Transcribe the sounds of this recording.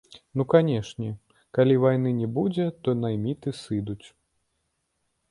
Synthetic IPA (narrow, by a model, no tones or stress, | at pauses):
nukanʲɛʂnʲɛ | kalʲivajnɨnʲɛbud͡zʲɛt̪ɔnajmʲit̪ɨsɨd̪ut͡sʲ